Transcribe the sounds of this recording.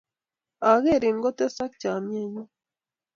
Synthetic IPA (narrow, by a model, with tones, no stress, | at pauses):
a˨ɣe˦˨ɾi˨ŋ˦ɡo˦t̪e˦sa˦k̚t͡ʃa˨mje˦ɲu˦